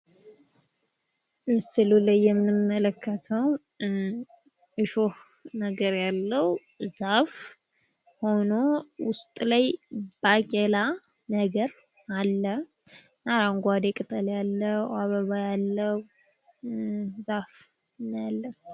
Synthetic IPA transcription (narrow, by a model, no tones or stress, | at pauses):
ɨsɨlulajːɛmːnɨmːələkʰːət̪ʰəw | ʔɨʃoh | nəɡəɾjalːəw | zaf | ho̞no̞wʊst̪ʼlajbakʼela | nəɡəɾ | alːə | naɾaŋɡʷad̪ekʼɨt̪ʼəljalːəaβəβajalːəw | zaf | njalːə